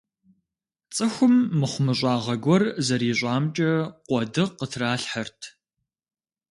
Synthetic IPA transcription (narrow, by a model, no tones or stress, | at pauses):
t͡sʼɨxʷʊmːɨχʷʊmɨɕʷʼɑːʁɐɡʷɔrzɐɾiːɕʷʼɑːmt͡ʃʼɐqʷɔdɨqətʰraːɬħɐrtʰ